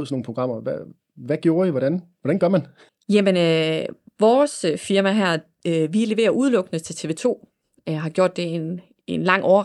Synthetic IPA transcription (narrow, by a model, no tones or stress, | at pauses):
ðˠsɒnoːn̩pʰoɡ̥ʁɑ̈m̰ɐʋæ | ʋæɡ̥jo̝ːɐiʋɒɾ̥ænʋɒɾ̥ænɡ̥ɶɐmæn | jæmenøʋɒːsfiɐmæɦæɐ̰ | ʋile̝ʋe̝̰ːɐʔuð̞ˠlɔ̽ɡ̥nət͡sʰe̝t͡sʰe̝ːʋe̝̰ːt͡sʰo̝̰ː | ɦɑ̈ɡ̥jo̝ɐ̰d̥e̝en | e̝nlɑ̈ŋ̰ɒɐ